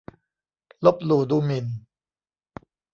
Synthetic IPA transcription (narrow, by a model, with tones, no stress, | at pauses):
lo˦˥p̚luː˨˩duː˧mi˨˩n